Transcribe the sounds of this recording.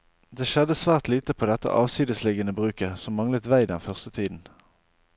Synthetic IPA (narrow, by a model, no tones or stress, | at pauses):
d̪eːʃɛd̪əsʋæːʁt̪liːt̪əpʰoːd̪ɛt̪ə̰ʔɑːʋsiːd̪əslɪɡənəbʁʉːkəsɔmːɑŋlət̪ʋæɪd̪ɛnfœʁst̪ət̪ʰiːd̪n̩